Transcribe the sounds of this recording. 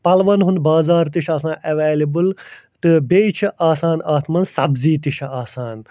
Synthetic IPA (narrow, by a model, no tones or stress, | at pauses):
pɐlʋɐnɦũnd̪baːzaːɾt̪iʃʰɐsãːʔɐʋeːlibɨl | t̪ɨbeit͡ʃʰiʔaːsaːnaːt̪ʰmɐnsɐbziːt̪iʃʰaːsaːn